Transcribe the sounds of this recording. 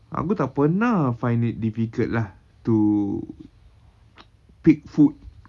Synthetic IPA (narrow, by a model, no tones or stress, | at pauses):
ʔa̰kut̪aʔ̚pənafajnit̪̚difikətlah | t̪u | pik̚fut̚